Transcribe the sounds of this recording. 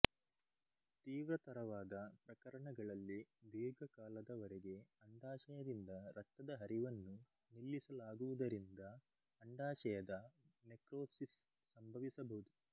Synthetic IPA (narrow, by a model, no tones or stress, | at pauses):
t̪iːʋɾɐt̪ɐɾɐʋaːd̪ɐpɾɐkɐɾɐɳɐɡɐɭɐlːid̪iːɡɐkaːlɐd̪ɐʋɔɾɛɡe̞ɐɳɖaːʃɐjɐd̪ind̪ɐɾɐt̪ːɐd̪ɐɦɐɾiʋɐnːu | nilːisɐlaːɡuʋud̪ɐɾind̪ɐː | ɳɖaːʃɐjɐd̪ɐnekɾoːsisː | ɐmbʱɐʋisɐbɐɦud̪u